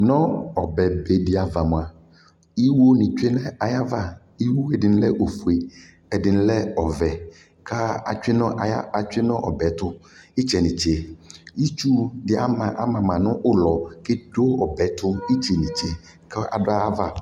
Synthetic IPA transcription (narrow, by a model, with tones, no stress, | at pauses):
nɔ̃˦ɔ˨bɛ˨be˨dɪ˦a˨va˨mʊ̃˨a˨ | i˦wo˦nɪ̃˨t͡ʃᶣɪ˦lɛ˦a˨ja˦va˦ | i˦wo˦ɛ˨dɪ˨n˦lɛ˦ʔo˨fu˨e˨ | ɛ˨dɪ˨ñ˦lɛ˦ɔ˨vɛ˨ | kʰa˦a̰˨t͡ʃᶣɪ˦nɔ̃˦˨˦a˨t͡ʃᶣɪ˦nɔ̃˦ʔɔ̰˨bɛ˨tʊ˦ɪ˦t͡ʃɛ˨nĩ˨t͡ʃe˨i˦t͡ʃu˦dɪ˨a̰˦mã˨ʔa˨mã˨mã˨nʊ̃˦ʔʊ˦lɔ˨ke˦do˦ɔ˨bɛ˨˦t̪ʰʊ˦i˦t͡ʃe˨nĩ˨t͡ʃe˨ | kʰa˦a̰˨dʊ˦a˦a˦va˨